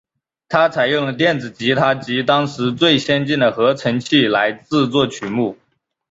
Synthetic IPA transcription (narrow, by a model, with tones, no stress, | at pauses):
t̪ʰa˥t͡sʰa˨˩ɪjʊ˥˩ŋlə˩t̪̬jɛ˥˩nd͡zɹ̩˨˩t͡ɕi˧˥t̪ʰa˥t͡ɕi˧˥t̪ɑ˥ŋʂɻ̩˧˥t͡swe˥˩ɪɕjɛ˥nt͡ɕi˥˩nd̪ə˩xɤ˧˥ʈ͡ʂʰə˧˥ŋt͡ɕʰi˥˩la˧˥ɪt͡sɹ̩˥˧t͡swɔ˥˩t͡ɕʰy˨˩mu˥˩